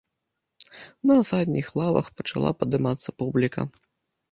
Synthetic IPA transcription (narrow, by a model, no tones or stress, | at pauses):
nɐːsad̪ʲnʲixlˠavɐ̰xpɐt͡ʂa̰lˠʔa̰pɐd̪ɨmat̪sːɐpublʲikɐ̰